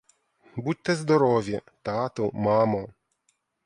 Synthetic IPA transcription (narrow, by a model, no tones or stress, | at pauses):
but̚ʲt̪ːɛzd̪ɔɾɔʋʲjɛt̪at̪ɔmamɔ